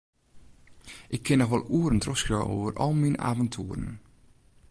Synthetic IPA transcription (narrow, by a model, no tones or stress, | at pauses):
ʔɪkʰːɪnɔxʋɔlˠuːəɾəntrɔsjɔwʔo̰ːvərɔ̰lˠmina̰ːvɔntʰuəɾə̰n̩